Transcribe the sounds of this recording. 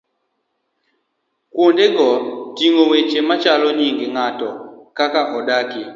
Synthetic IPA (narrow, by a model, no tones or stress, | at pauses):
kwondeɡɔtiŋowet͡ʃemat͡ʃalɔniŋɡiŋatɔkakaʔɔɗaki